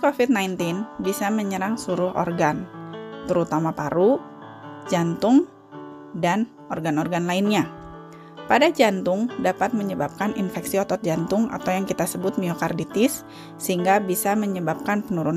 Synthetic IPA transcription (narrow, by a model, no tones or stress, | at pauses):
kofit̪̚najnt̪ɪnbisaməɲəɾaŋsuɾʊhʔɔ̰rɡant̪əɾut̪amapaɾu | d͡ʒant̪ʊŋ | dan | ɔrɡanɔrɡanlaɪnɲa | padad͡ʒant̪ʊŋdapat̪̚məɲəbap̚kanʔḭnfɛksiɔt̪ɔt̪̚d͡ʒant̪ʊŋa̰t̪awjaŋkit̪asəbʊt̪̚miokardit̪ɪsː | əɦiŋɡabisaməɲəbap̚kanpənuɾun